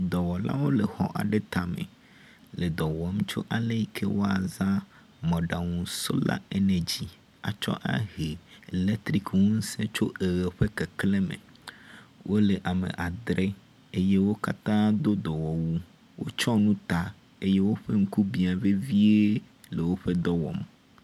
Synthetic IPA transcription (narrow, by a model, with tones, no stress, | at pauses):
d̪ɔ˨wɔ˨la̰˦wo˦le˨xɔ̰˦ʔa̰˨ɖe˦t̪a˨mḛ˨ | le˨d̪ɔ˨wɔ˦m̩˦t͡ʃo̰˦ʔa˨le˦i˦˨kʰe˦wo˦a˨zã˦ | mɔ̃˨ɖa˨ŋũ˨so̰˦la̰˦e˦nɛ̃˨d͡ʑi˦ | a̰˨t͡ʃɔ̰˦ʔa̰˦ɦe˨le˦t̪ɾi˦kŋũ˦n̩˦sɛ̃˦t͡ʃo˦ʔe˨ɣe˨ɸe˦ke˨kle˦mḛ˨ | wʔo˦le˨ʔa˨mḛ˨ʔa˨d̪ɾe˦ | e˦je˦wo˦ka˦t̪ã˦d̪o˦d̪ɔ˨wɔ˨wu˦ | wo̰˦t͡ʃɔ˦nũ˦t̪a˨ | e˦je˦wo˦ɸe˦ŋ̩˦ku˦bi˨a˨ve˦vi˦e˦ | le˨wo˦ɸe˦d̪ɔ˦wɔ̰˨m